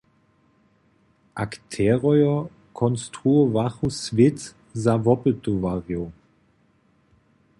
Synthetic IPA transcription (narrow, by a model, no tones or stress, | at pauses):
ʔakt̪ʰɛʁɔjɔ | kʰɔnst̪ʁuɔvaχusvɪt | zavɔpɪt̪uvaʁjo